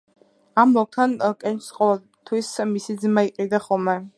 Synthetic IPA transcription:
amːɔk̚t̪ʰankʼɛnt͡ʃsqʼɔvɛlˠ | t̪ʰwismisid̪zmaiqʼid̪aχɔlˠmɛ

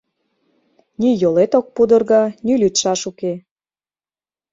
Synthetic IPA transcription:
nijolet̪ok̚pud̪ə̆rɣɑnylʲyt̪ʃɑʃuke

